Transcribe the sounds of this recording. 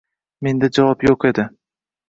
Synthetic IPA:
me̞nd̪ad͡ʒavɒpjoqe̞d̪ɪ

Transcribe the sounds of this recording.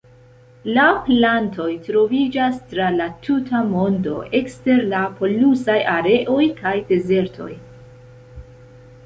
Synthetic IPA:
laplanto̞jtɾo̞vid͡ʒastɾalatʰutʰamo̞ndo̞̰ʔe̞kste̞ɾlapo̞lusajʔaɾe̞ʔo̞jkajde̞ze̞ɾtʰo̞̰j

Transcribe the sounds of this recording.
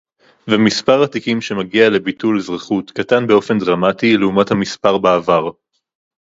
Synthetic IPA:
vemispaʁatikimʃe̞maɡiale̞bitulzʁeχutkatanbe̞o̞fe̞ndʁamatileumathamispaʁbaːvaʁ

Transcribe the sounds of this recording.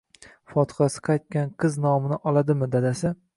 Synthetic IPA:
fɒt̪ʰɨ̥χasɪ̥qʰɑjt̪̚kʲanqʰɨznɒmɪnɪʔɒlˠad̪ɪmɪd̪ad̪asɪ

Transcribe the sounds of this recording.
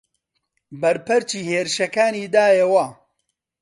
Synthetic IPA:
bɐɾpɨɾt͡ʃiːheːɾɨʃɐkaːniːd̪aːjewɐ

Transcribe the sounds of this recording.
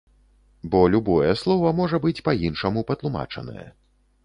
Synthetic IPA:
bɔlʲubɔjɛslˠɔvɐmɔʐɐbɨt͡sʲpɐjinʂɐmupɐt̪lˠuma̰t͡ʂɐ̰nɐ̰jɛ̰

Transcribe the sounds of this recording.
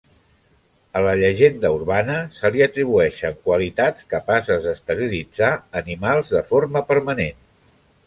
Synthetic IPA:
ələʎəʒend̪əuɾβanəsəliət̪ɾiβ̞uɛʃəːmkwəlit̪at͡skəpasəzðəst̪əɾilid͡zaənimalˠzðəfoɾməpəɾmənen

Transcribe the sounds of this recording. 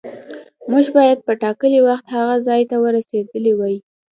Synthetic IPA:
muʒbɑjad̪̚pəʈɑkəliwaxt̪haɣazɑjt̪awəɾased̪əliwɑji

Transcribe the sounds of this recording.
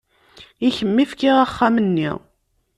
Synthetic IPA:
içəmːifkiʁaχːamənːḭʁ

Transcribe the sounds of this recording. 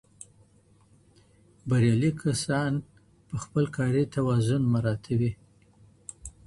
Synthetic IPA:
baɾjɑlikʰasɑn | pəxpəlkɑɾit̪awɑzʊnmaɾɑt̪ʰawi

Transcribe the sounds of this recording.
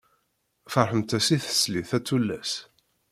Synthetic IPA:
fəɾˤħəmt̪æsiθə̥sliθæt͡sːulːæs

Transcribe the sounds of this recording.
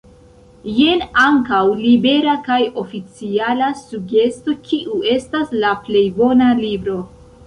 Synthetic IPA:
je̞naŋkawlibe̞ɾakajo̞fit͡sialasuɡe̞sto̞kiʔue̞staslaple̞jbo̞nalibɾo̞

